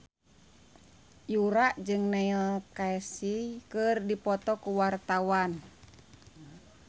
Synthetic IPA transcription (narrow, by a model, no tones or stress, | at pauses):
juɾaʔd͡ʒɨŋnailkaɛsikɨrdipɔt̪ɔkuwart̪awan